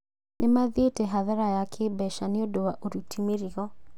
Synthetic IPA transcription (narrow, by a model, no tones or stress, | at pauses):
nʔemaðetɛɦaðaɾajakʰebɛʃaneodowaʔoɾutʰimeɾiɔ